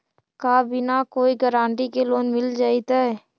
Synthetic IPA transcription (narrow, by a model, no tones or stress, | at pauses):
kaːbʱinakoːiɡəɾãːɳʈikeloːnmɪld͡ʒaːit̪aɛ